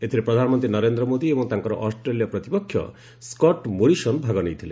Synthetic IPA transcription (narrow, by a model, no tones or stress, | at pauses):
et̪ʰiɾepɾɔd̪ʱanɔmɔnt̪ɾinʌɾend̪ɾɔmod̪iebɔŋt̪aŋkɔɾɔʔɔsʈɾelijɔpɾɔt̪ipɔkʰjɔ̰ | skɔʈmoɾisɔnbʱaɡɔnejt̪ʰilḛ